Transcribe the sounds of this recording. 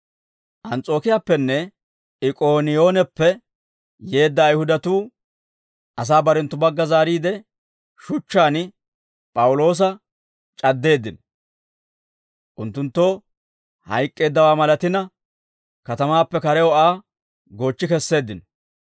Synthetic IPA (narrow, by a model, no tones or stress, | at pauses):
ʔɐnt͡sʼo̞ːkɪjaːpːɛnːɛ | ɪkʼoːnɪjo̞ːnɛpːɛ | je̞ːd̪ːɐːjhʊd̪ɐt̪uː | ʔɐs̬aːbɐɾɛnt̪ːʊbɐɡːɐzaːɾiːd̪ɛ | ʃʊt͡ʃːaːn | pʼɐwʊlo̞ːs̬ɐ | t͡ʃʼɐd̪ːe̞ːd̪ːɪnɔ | ʔʊnt̪ːʊnt̪ːo | hɐ̰jkʼːe̞ːd̪ːɐwaːmɐlɐt̪ɪnɐ | kɐt̪ɐmaːpːɛkɐɾɛɔaː | ɡo̞ːt͡ʃːɪkɛsːe̞ːd̪ːɪn